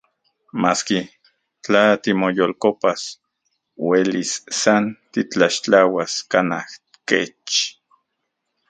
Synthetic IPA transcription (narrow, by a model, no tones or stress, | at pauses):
maːski | t͡ɬat̪imojolkopas | welisːant̪it͡ɬaʃt͡ɬawaskanah | ket͡ʃ